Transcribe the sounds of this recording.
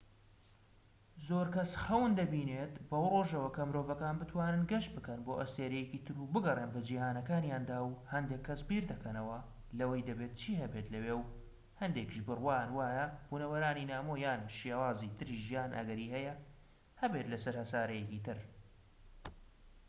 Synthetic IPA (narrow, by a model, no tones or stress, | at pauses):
zoːɾkɐsxɐwɨnd̪ɐbiːneːt̪bɐwroːʒɐwɐkʰɐmɨɾoːvɐkaːnbɨt̪ʰwaːnɨnɡɐʃt̪̚bɨkɐnboːʔɐst̪eːɾɛjɛciːt̪ʰɨɾubɨɡɐrˤenbɐd͡ʒiːhaːnɐkaːnjaːnd̪aːwhɐnd̪eːkʰːɐsbiːɾd̪ɐkʰɐnɐwɐ | lɐwɐjd̪ɐbeːt̪̚t͡ʃʰiːhɐbet̪lɐweːw | hɐnd̪ekiʒbɨrwaːnwaːjɐb̥uːnɐwɐɾaːninaːmoːjaːnʃjawaːzit̪ʰɨɾiʒijaːnʔɐ̰ɡɐɾiːhɛjɐ | hɐbe̞t̪lɐsɐɾhɐsaːɾɐjɛcit̪ɨɾ